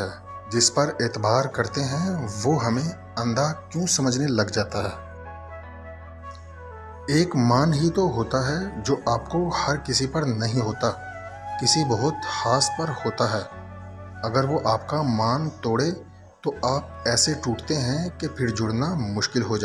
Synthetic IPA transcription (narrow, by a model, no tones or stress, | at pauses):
ɛː | d͡ʒɪspɐɾeːt̪ɪbʱaːɾkɐɾt̪eɦɛ̃ʋoɦɐmẽ | ɐ̃nd̪akjũsɐməd͡ʒnelɐɡd͡ʒaːt̪aɦɛː | eːkmaːnɦit̪oɦoːt̪aɦɛd͡ʒoːʔaːpkohɐɾkɪsipɐɾnɐɦĩɦoːt̪a | kɪsibɐɦʊt̪haːspɐɾhoːt̪aɦɛː | ɐɡəɾʋoʔaːpkamaːnt̪oːɽe | t̪oaːp̚ɛːseʈuːʈt̪eɦɛ̃kepʰɪɾd͡ʒʊɽnamʊʃkɪlɦod͡ʒaː